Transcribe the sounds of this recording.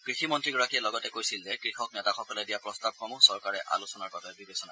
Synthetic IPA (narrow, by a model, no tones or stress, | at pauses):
kɹiximɔntɹiɡɔɹakijɛlɔɡɔtɛkojsilzɛkɹixɔk̚nɛtaxɔkɔlɛdijapɹɔstab̚kʰɔmʊsɔɹkaɹɛʔa̰lusɔnaɹkɔtʰɔjbibʱesɔna̰